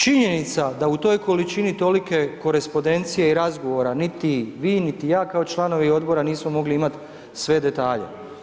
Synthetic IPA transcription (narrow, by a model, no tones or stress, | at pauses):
t͡ʃiɲe̞nit̪sad̪aut̪o̞ːjko̞lit͡ʃinit̪o̞like̞ko̞ɾe̞spo̞d̪e̞nt̪sijeiɾazɡo̞ʋo̞ɾanit̪iʋiːnit̪ijaːkao̞t͡ʃlˠano̞ʋio̞d̪bo̞ɾaniːsmo̞mo̞ɡliimat̪ | sʋe̞d̪e̞t̪aːʎḛ